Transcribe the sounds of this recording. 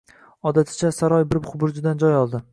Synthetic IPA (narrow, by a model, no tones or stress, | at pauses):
ɒd̪at̪ʰɪ̥t͡ʃʰasaɾɒjbɪɾbχʊbʊɾd͡ʒʊd̪and͡ʒɒjɒlˠd̪ɪ